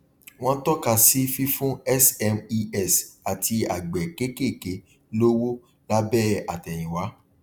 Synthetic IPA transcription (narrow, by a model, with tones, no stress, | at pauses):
w̃ɔ̃˦tɔ˦ka˦˨si˦fi˦fũ˦ɛ˦sɛ˧mi˧ɛ˦˨sa˨ti˧a˨ɡ͡bɛ˨ke˦ke˦˨ke˨˦ | lo˦wo˦ | la˦bɛ˦˨a˨tɛ˨j̃ĩ˨wa˨˦